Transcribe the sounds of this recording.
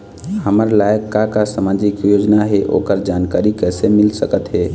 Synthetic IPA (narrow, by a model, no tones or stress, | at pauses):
həməɾlajəkːakasəmãd͡ʒikjod͡ʒnaɦeʔo̰kəɾd͡ʒankaɾikɛsemɪlsəkət̪ɦe